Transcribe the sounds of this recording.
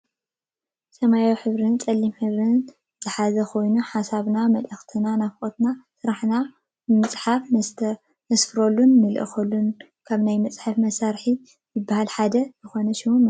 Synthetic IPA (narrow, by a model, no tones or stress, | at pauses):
sɐmajawiħɨβɾɨnt͡sʼɐlːimħɨβɾɨn | z̥ɨħazɐkʰo̞jnuħasaβnamɐlɐxt̪ʰɨnanafkʼot̪nasɨɾaħna | ɨmɨt͡sʼħaf | nɐsfɨɾolːunːɨlʔɨ̰xɐlːun | kʰaβnajmɐt͡sʼħafmɐsaɾħi | jɨbːahalħad̪ɐzɨxo̞nɐʃiwunːɨ